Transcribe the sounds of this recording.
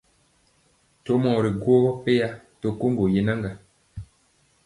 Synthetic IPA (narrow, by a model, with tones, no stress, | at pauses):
to˦mɔ˨ɾi˨ɡo˦ɣɔ˦pe˦ja˦to˨ko˦ŋɡo˨je˦na˦ŋɡa˨